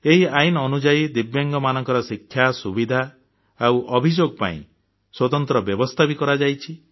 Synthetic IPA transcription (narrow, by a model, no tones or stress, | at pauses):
eɦiainɔnud͡ʒaid̪ibjaŋɡɔmanɔŋkɔɾɔsikʰːjasubid̪ʱaː | wʔɔbʱid͡ʒoɡ̚pa̰ḭ̃ | swɔt̪ɔnt̪ɾɔbjɔbɔst̪ʰabikɔɾad͡ʒajt͡ʃʰi